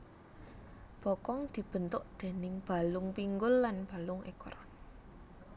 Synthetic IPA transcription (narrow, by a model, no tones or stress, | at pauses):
b̥ɔkɔŋd̪̥i̤b̥ə̤nt̪ʊʔd̪̥e̤nɪŋb̥a̤lʊŋpiŋɡʊlːanb̥ä̤lʊŋʔḛkʊ̰r